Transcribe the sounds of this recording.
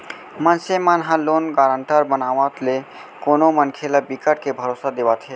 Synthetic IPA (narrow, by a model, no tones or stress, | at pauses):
mənsemanɦãlonɡaɾəɳʈəɾbənaʋãt̪le | konomənkʰelabikəʈ̚kebʱəɾosad̪ebat̪ʰɦe